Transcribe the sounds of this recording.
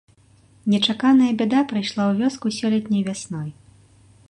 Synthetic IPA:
nʲɛt͡ʂakanɐjɐbʲɛd̪apɾɨjʂlˠawvʲɔskusʲɔlʲɛt̪ʲnʲɐjvʲasnɔj

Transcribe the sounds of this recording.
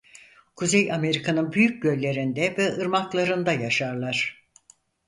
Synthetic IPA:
kʰuzejame̞ɾikʰanɯnbyjyc̚ɟølʲːe̞ɾind̪ɛvɛɯɾmaklˠaɾɯnd̪ajaʃaɾlˠaɾ̥

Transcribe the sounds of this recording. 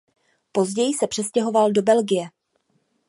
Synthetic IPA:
po̞zɟɛjɪsɛpr̥ɛscɛɦo̞valdo̞bɛlɡɪjɛ

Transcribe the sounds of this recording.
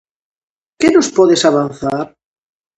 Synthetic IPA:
kenospɔðesaβanθaɾ

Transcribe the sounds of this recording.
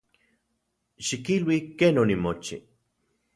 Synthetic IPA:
ʃikilwikeːnonimot͡ʃḭ

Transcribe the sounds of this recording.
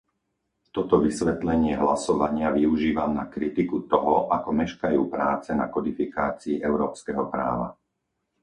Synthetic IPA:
t̪ɔt̪ɔʋisʋɛt̪lɛɲɪɛɦlasɔʋaɲɪaʋiuʒiːʋamnakɾit̪ikut̪ɔɦɔʔakɔmɛʃkajuːpɾaːt͡sɛnakɔd̪ifikaːt͡siːʔɛʊɾɔːpskɛɦɔpɾa̰ːʋa̰

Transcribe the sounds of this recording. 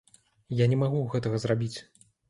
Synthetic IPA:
janʲɛmaɣuɣɛt̪ɐɣɐzrabʲit͡sʲ

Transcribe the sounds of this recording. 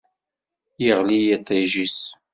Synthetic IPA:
jəʁlijæt̪ˤːiʒis

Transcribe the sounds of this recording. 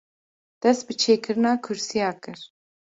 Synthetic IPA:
d̪̥ɛst̪̚bɨt͡ʃʰeːkʰɨɾɨnɑːkʰʊɾsijɑːkɨɾ

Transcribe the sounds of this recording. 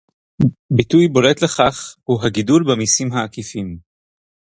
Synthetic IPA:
bitujbo̞letle̞χaχhuɦaɡidulbemisimɦaːkifim

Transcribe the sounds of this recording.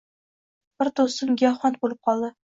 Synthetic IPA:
b̥ɪɾt̪osəmɡʲæɒχɒnt̪̚bolˠɨp̚qɒlˠd̪ɪ

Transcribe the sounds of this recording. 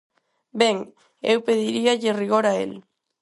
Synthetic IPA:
bɛŋ | ḛwpeðiɾiaʎɪriɣoɾaḛl

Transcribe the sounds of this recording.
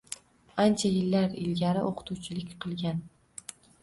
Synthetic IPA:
ant͡ʃʰajɪlːaɾɪlɡʲaɾɪʔoqʰɨ̥t̪ʰuwt͡ʃʰɪlɪkʲqʰɨlˠɡʲan

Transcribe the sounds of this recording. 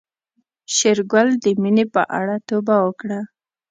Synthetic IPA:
ʃɪɾɡald̪əminepə̰ʔa̰ɽat̪obawəkɽa

